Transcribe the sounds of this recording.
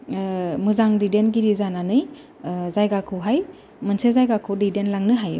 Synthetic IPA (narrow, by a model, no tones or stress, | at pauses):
mɯzaŋdidenɡiɾizananɯj | zajɡakʰɯwɦaj | mɯnsezajɡakʰɯwdidenlaŋnɯɦaju